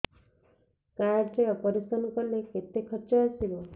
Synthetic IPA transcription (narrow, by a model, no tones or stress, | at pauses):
kaɾɖɾeɔpɔɾisɔnɔkɔɾleket̪ekʰɔɾt͡ʃɔast̪ibɔ